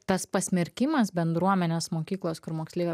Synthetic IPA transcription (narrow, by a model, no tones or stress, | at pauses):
t̪ɐspɐsʲmʲɪɾʲkʲɪmɐsbʲɛnd̪ɾuɔmʲɛnʲeːsmoːkʲiːklˠoːskʊɾmoːksʲlʲekʲː